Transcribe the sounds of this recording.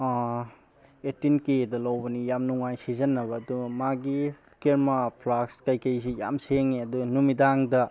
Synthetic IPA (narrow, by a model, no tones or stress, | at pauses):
etinkedɐlawbɐnijamnuŋajsizɐnːɐβɐːdumaɡi | keɾmapʰlakskajkɐjsija̰mseŋiɐdunumidaŋdɐ